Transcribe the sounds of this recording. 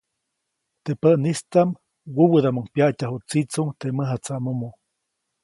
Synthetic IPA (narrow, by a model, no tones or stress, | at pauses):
t̪epəʔnist̪am | wuwəd̪amuŋpjaʔtaɦut͡sit͡suŋt̪eməɦat͡samomo